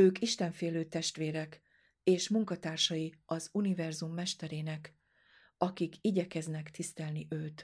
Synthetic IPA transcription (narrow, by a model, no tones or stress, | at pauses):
øːkiʃt̪ɛɱfeːløːt̪ɛʃt̪ʋeːɾɛk | eːʃmuŋkɒt̪aːrʃɒjiɒzunivɛrzumːɛʃt̪ɛɾeːnɛk | ɒkikiɟɛkɛznɛkt̪ist̪ɛlniʔøːt̪